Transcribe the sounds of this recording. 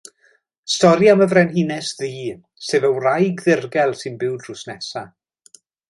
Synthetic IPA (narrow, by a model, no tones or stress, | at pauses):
stɔɾjaməvrɛnhinɛsðiː | seːvəwrajɡðɪrɡɛlˠsɪnbɪwdrʊsnɛsa